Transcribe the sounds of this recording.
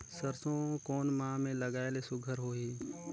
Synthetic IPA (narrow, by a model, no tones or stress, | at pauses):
səɾsõkɔːnmãːmẽlɐɡaːelesʊɡʱəɾɦoːɦi